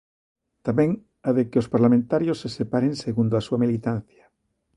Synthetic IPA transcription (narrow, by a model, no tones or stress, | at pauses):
t̪amẽŋ | aðekeospaɾlamẽnt̪aɾjosːesepaɾeŋseɣund̪oasuamilit̪an̟θja